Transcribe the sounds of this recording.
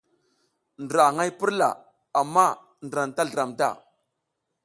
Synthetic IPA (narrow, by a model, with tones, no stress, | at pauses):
ndɾa˨ŋa˦jpə˦ɾla̰˨ | a˨mːa˦˨ | ndɾa˨nta˦ɮə˨ɾa˨mta̰˦˨